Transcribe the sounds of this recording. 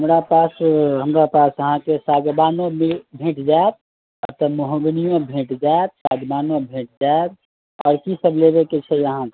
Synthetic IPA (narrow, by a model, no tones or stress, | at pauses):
ɦəmɾapaːsɦəmɾapaːsəɦãkesaɡbaːnõmilbʱẽːʈd͡ʒaeb̚ | ət̪ɔmoɦõɡnijõbʱẽːʈd͡ʒaeb̚sa̰ɡbaːnõbʱẽːʈ̚d͡ʒaeb̚ | ɔ̰ːɾkisəblebeket͡ʃʰɛjəɦãk